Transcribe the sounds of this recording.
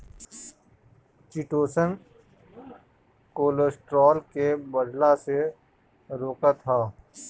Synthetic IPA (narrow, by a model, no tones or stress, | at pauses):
t͡ʃɪʈoːsən | koːlosʈɾɔːlkebəɖ̪lase | ɾoːkat̪ʰaː